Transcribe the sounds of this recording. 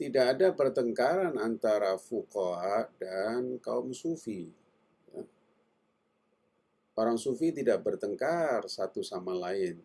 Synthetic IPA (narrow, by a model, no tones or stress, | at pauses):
t̪idaːdapərt̪əŋkaɾanant̪aɾafukɔadankaʊmsufi | ja̰ | oɾaŋsufit̪idaʔ̚bərt̪əŋkarsat̪usamalaɪn